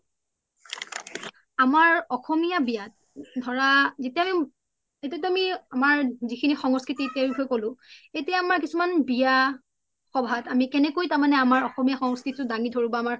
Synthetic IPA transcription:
amaɹɔxɔmijabijat̚ | dʱɔɹazetɛami | etɛtuamiamaɹzikʰinixɔŋskɹititeɹikʰɔjkolʊ̃etijaamaɹkisumanbija | xɔbʱatamikɛnɛkojtaɹmanɛamaɹɔxɔmijaxɔŋskitʊdaŋidʱoɹibaamaɹ

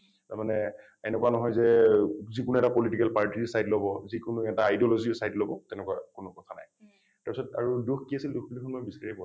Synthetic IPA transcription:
taɹmanɛ | ɛnɛkwanɔɦɔjzɛzikʊnuɛtapɔlitikɛlpaɹtisajtlobɔzikʊnuɛtaajdiɔlɔzisajtlobɔtɛnɛkuwakʊnʊkɔtʰana̰j | taɹpisɔta̰ɹuduxʰkiasilduxbulikʰɔnmɔjbisaɹipɔ

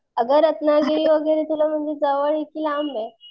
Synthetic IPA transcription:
əɡəɾət̪naɡeɭiːʋəɡəjɾet̪ulam̤əɳd͡zed͡zaʋəɭikiːlambe

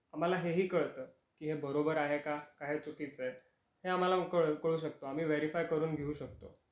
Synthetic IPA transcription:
am̤alaɦeɦiːkəɭt̪əː | kiːɦebəɾobəɾaɦekakaɦet͡suʈit͡sj | heam̤alakəɭkəɭuːɕ̬ək̚t̪oam̤iːʋeɾifajkəɾuːnɡʱeuːɕək̚t̪o̰

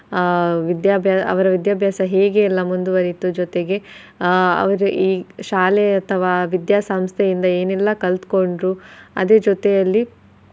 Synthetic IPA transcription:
ʋid̪jaːbʱjaːɐ̰ʋɐɾɐʋid̪jaːbʱjaːsɐɦeːɡe̞ilːɐmund̪uʋɐɾit̪ud͡ʒɔt̪eɡe̞ | ɐ̰ʋɐɾuʔiːʃaːleɐt̪ʰɐʋaːʋid̪jaːsɐmst̪ʰejind̪ɐeːnilːɐkɐlt̪ko̞ɳɖɾuɐ̰d̪e̞ːd͡ʒot̪ejɐlːi

